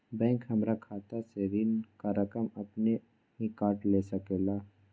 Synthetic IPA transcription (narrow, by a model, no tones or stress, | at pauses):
bɛ̃ːŋkɦɐmɾakʰaːt̪aseʋɪnkaɾəkəmɐpne | ɦikaːʈlesəkeːlaː